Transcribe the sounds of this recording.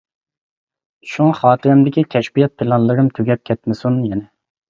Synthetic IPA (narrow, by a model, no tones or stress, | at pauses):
ʃunχɑːt̪ʰɨɾɪmd̪ɪkʲikʲʰɛʃbijɛt̪̚pʰɪlˠɑnlˠɨɾɨmt̪ʰøɡʲɛp̚kʲʰɛt̪mɪsunjɛnɪ